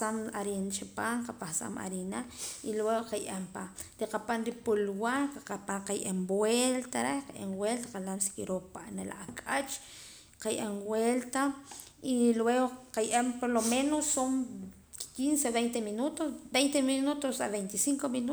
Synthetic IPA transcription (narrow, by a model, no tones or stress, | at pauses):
samaɾint͡ʃapaŋqapahsa̰ma̰ɾinailweɣoqajʔempaɾiqapanɾipulwaɾqaqapaqajʔembwelt̪aɾehqajʔeŋwelt̪aqalamsi̥kiɾopaʔnela̰ʔakʼat͡ʃ | qajʔemwelt̪a | ilweɣoqajʔempoɾlomenosːom | kinseβejnt̪eminut̪osbejnt̪eminut̪osa̰βejnt̪isiŋkominu